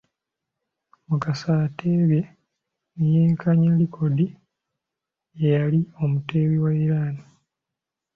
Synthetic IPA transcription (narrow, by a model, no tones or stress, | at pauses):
mukasatʰeːβje | nejeːŋkʰaɲelikʰo̞di | ejalio̞mute̞ːβiwaiɾaːna